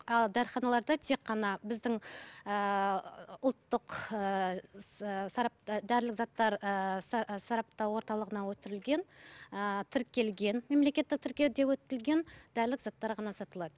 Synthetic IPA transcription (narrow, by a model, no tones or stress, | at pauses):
ɑlˠd̪æɾχɑnɑlˠɑɾd̪ɑt̪ʰe̞kqːɑnɑbɪzd̪ɪŋə | ʊlˠt̪ːəqə | sɑɾɑd̪æɾlɪkzɑt̪ːɑɾ | sɑɾɑp̚t̪ɑwwo̞ɾt̪ɑlˠəʁənɑwɵt̪ɪɾɪlɡʲe̞nət̪ʰɪɾkʲe̞lɡʲe̞nme̞mle̞kʲe̞t̪ːɪk̚t̪ʰɪɾkʲe̞wd̪ewɵt̪ɪkɪlɡʲe̞nd̪̥æɾlɪkzɑt̪ːɑɾʁɑnɑsɑt̪əlˠɑd̪ə